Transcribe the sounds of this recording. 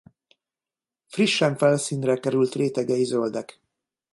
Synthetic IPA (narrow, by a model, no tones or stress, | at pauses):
friʃːɛɱfɛlsiːnrɛkɛɾylt̪reːt̪ɛɡɛjizøld̪ɛk